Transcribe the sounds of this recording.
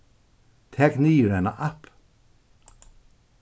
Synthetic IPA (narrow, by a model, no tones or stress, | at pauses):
t̪ʰɛkniːɾɛna̰ʔap